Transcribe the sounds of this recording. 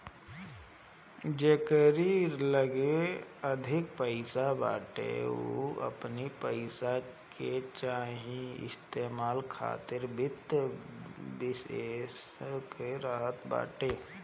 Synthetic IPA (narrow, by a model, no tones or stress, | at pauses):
d͡ʒekəɾiləɡeəd̪ʱɪk̚pəɪsaba̰ːʈḛo̰ə̰pnipəɪsaket͡ʃaːɦĩɪ̰st̪eːmaːlkʰa̰ːt̪ɪɾbɪt̪ | bɪseskeɾaːɦət̪ba̰ːʈeː